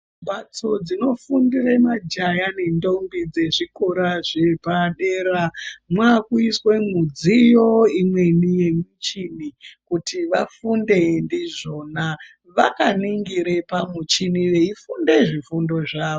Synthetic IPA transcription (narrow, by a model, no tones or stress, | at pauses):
bʱat͡so̞d͡zino̞fundiremad͡ʒajane̞ndo̞mbid͡ze̞ʐikoɾaʐebʱaɗeːɾamwakuiswe̞mud͡zijo̞imwe̞nije̞mit͡ʃinikutʰiʋafunde̞ndiʐo̞na | ʋakaniŋɡiɾepamut͡ʃiniʋeifunde̞ʐifundo̞ʐaːʋo